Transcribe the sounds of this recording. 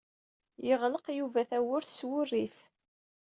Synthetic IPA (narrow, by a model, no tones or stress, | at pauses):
jəʁləqjuvæθæwʊɾθswʊrːiθ